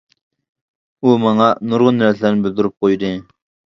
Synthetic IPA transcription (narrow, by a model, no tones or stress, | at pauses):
umɑŋɑnuɾʁʊnːæɾt̪ʰlæɾnɪbɪld̪uɾup̚qʰojd̪ɨ